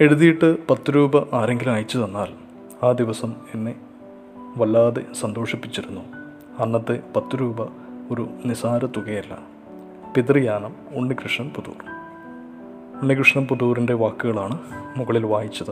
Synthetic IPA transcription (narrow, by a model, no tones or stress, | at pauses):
e̞ɽuðijiʈːɨpɐt̪ːuɾuːbɐʔaːɾe̞ŋɡilmaːjit͡ɕːɐðenːaːl | aːd̪iʋɐsɐme̞nːe̞ | ʋɐlːaːðe̞sɐnd̪o̞ːʂɐpːit͡ɕːiɾunːu | ɐnːɐt̪ːe̞pɐt̪ːuɾuːbɐ | o̞ɾunisaːɾɐt̪ːuɣejɐlːɐ̰ | pit̪rɨjaːnɐm | uɳːikrɨʂɳɐmpuðṵːr | uɳːikrɨʂɳɐmpuðuːrinde̞ʋaːkːuɣɐɭaːɳɨmuɣɐɭilʋaːjit͡ɕːɐðɨ